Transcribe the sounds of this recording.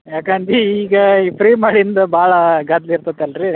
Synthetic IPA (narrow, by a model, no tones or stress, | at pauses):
jaːkaːɳt̪iːɡɐpʰɾiːmaːɽiind̪ɐbʱaːɭɐɡaːd̪liːɾt̪ɐt̪ːɐlɾi